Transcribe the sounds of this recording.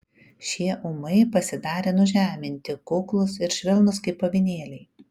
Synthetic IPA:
ʃʲiɛʔʊmɐɪpɐsʲɪd̪ɑːɾʲeːnʊʒʲæːmʲɪnʲt̪ʲɪkʊklˠʊsɪɾʃʲʋʲɪlˠnʊskɐɪpːɐʋʲɪnʲeːlʲɛɪ

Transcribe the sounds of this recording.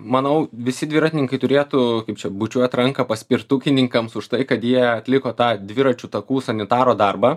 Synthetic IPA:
mɐnɐʊʋʲɪsʲɪd̪ʲʋʲɪːɾɑːt̪ʲɪnʲɪŋkɐɪt̪ʊɾʲeːt̪ʊkɐɪp̚t͡ʃʲɛbʊt͡ʃʲuɔjt̪ɾɐŋkɐpɐsʲpʲɪɾt̪ʊkʲɪnʲɪŋkɐmsʊʃt̪ɐɪkɐt̪jiɛɐt̪ʲlʲɪkoːt̪ɑːd̪ʲʋʲɪɾɐt͡ʃʲut̪ɐkuːsɐnʲɪt̪ɑːɾoːd̪ɐrbɑː

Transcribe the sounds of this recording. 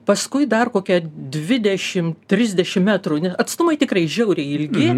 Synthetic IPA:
pɐskʊɪd̪ɐrkoːkʲɛd̪ʲʋʲɪd̪ʲɛʃʲɪmt̪ʲɾʲɪzʲd̪ʲɛʃʲɪmmʲæːt̪runʲɛsɐt̪st̪ʊmɐɪt̪ʲɪkrɐɪʒʲɛʊɾʲeɪlʲɡʲɪ

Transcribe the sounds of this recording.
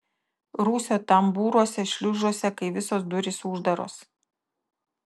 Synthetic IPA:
ɾuːsʲoːt̪ɐmbuːɾuɔsʲɛʃʲlʲʊʒoɔsʲɛkɐɪʋʲɪsoːs̬d̪ʊɾʲɪsʊʒd̪ɐɾo̰ːs

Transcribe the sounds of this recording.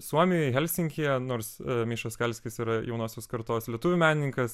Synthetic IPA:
suɔmʲɪjɛɦɛlʲsʲɪŋʲkʲijɛnoːɾsmʲiːʃoːskʲɛlʲsʲkʲɪsiːɾɐjɛʊnoːsʲoːskɐɾt̪oːslʲiɛt̪ʊʋʲʊmʲæːnʲɪnʲɪŋkɐs

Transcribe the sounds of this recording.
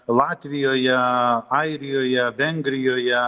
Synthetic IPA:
lˠɑːt̪ʲʋʲɪjoːjɛɑɪɾʲɪjoːjɛʋʲɛŋʲɡɾʲɪjoːjɛ

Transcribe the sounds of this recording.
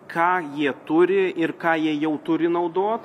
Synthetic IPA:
kʰɑːjiɛt̪ʊɾʲɪʔɪrkɑːjiɛjɛʊt̪ʊɾʲɪnɐʊd̪oːt̪

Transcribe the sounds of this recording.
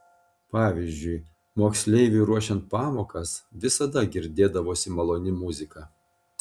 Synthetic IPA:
pɑːʋʲɪzʲd͡ʒʲʊɪ | moːksʲlʲɛɪʋʲʊɾuɔʃʲɛnt̪̚pɑːmoːkɐsʋʲɪsɐd̪ɐɡʲɪɾʲd̪ʲeːd̪ɐʋoːsʲɪmɐlˠoːnʲɪmʊzʲɪkɑː

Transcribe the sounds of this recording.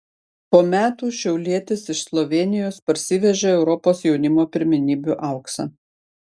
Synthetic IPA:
poːmʲæːt̪uːʃʲɛʊlʲiɛt̪ʲɪsɪʃslˠɔʋʲeːnʲɪjoːspɐɾʲsʲɪʋʲɛʒʲɛːɛʊɾɔpoːsjɛʊnʲɪmoːpʲɪɾʲmʲɪnʲiːbʲuʔɑˑʊksɐ̰

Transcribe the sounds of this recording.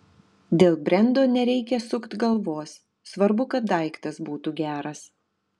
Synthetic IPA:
d̪ʲeːlˠbʲɾʲɛnˑd̪oːnʲɛɾʲɛɪkʲɛsʊkt̪ɡɐlˠʋoːsː | ʋɐɾbʊkɐt̪̚d̪ɐˑɪkt̪ɐsbuːt̪uːɡʲæːɾɐs

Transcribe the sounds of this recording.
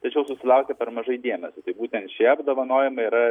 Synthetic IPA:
t̪ɐt͡ʃʲɛʊsʊsʲɪlˠɐʊkʲɛpʲɛɾmɐʒɐɪd̪ʲiɛmʲɛsʲot̪ɐɪbuːt̪ʲɛnt̪ʃʲiɛɐbd̪oːʋɐnoːjɪmɐiɾɐ

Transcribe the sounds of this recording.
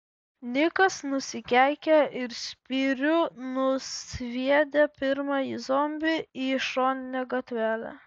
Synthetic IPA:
nʲɪkɐsnʊsʲɪkʲæɪkʲɛɪɾsʲpʲiɾʲʊnʊsʲʋʲiɛd̪ʲepʲɪɾmɑːiːzoːmʲbʲɪiːʃoːnʲɪnʲɛɡɐt̪ʲʋʲæːlʲɛ̰

